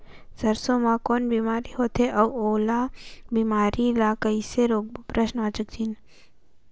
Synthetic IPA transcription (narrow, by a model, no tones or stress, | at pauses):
sɐɾsomãkoːnbiːmaːɾiɦoːt̪ʰeʔɐuoːlaːbiːmaːɾilaːkəiseɾoːk̚bpɾəʃnaːt͡ʃək̚d̪ʰin